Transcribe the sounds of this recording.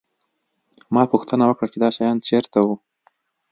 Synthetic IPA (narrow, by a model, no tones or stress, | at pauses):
mɑpuxt̪ənawəkɽat͡ʃed̪ɑʃɑjɑnt͡ʃeɾt̪awu